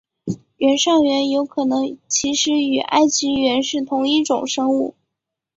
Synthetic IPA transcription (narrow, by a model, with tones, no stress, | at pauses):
ɥɛ˧˥nʂɑ˥˩ŋɥɛ˧˥njo˧˥ʊkʰɤ˨˩nɤ˧˥ŋt͡ɕʰi˧˥ʂɻ̩˧˥y˨˩ʔa̰˥˩ɪt͡ɕʰi˧˥ɥɛ˧˥nʂɻ̩˥˩t̪ʰʊ˧˥ŋi˥˩ʈ͡ʂʊ̰˨˩ŋʂɤ˥ŋu˥˩